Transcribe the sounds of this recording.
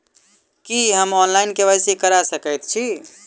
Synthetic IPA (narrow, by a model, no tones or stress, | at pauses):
kiɦəmɔnlaɪnkeβəjsikəɾasəkəjt̪t͡ʃʰi